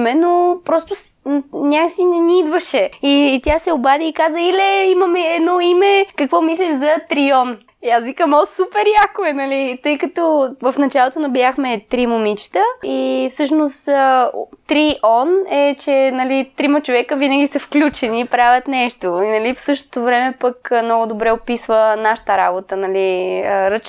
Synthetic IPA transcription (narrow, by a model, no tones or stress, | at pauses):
mɛnopɾɔst̪ʊs | nʲakksinɛniid̪vəʃɛit̪ʲjasɛʊbad̪iːkazəilɛimɐmɛɛd̪nɔimɛkɐkvɔmislʲɛʃzɐt̪ɾiɔn | iasvikəmɔlˠsupɛɾjakʊɛnɐlit̪ɤjkɐt̪ɔvɐfnɐt͡ʃalˠot̪onɐbjaxmɛt̪ɾimomit͡ʃi̥t̪əifsɤʃnost̪ | t̪ɾiʔɔnɛt͡ʃɛnɐlit̪ɾimɐt͡ʃovɛkəvinəɡʲisɐfklʲut͡ʃɛniːpɾavʲɐt̪nɛʃt̪oinɐlifsɤʃt̪o̥t̪ovɾɛmɛpəkmnɔɡʊd̪obɾɛopisvənaʃə̥t̪əɾa̰bot̪ənɐliəɾət͡ʃ